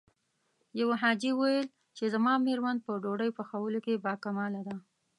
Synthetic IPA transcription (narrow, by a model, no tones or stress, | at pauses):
jawaɦɑd͡ʒiwajəl | t͡ʃezamɑmeɾmand̪̚pəɖoɽəjpəxawəlokebɑkamɑlad̪a